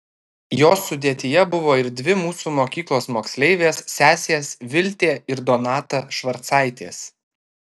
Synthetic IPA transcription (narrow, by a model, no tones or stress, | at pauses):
joːsːʊd̪ʲeɛt̪ʲɪjɛbʊʋoːɪɾd̪ʲʋʲɪmuːsuːmoːkʲiːklˠoːsmoːksʲlʲɛɪʋʲeːsːʲæːsʲesʋʲɪlʲt̪ʲeːɪɾd̪oːnɑːt̪ɐʃʋɐɾt̪sɑˑɪt̪ʲeːs